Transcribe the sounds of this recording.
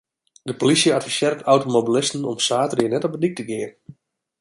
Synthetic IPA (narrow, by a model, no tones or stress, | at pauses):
dəpolisjəatfisɛrtʰawtomobilɪstn̩ɔ̰msaːtərɪːnɛtɔbənik̚təɡɪərn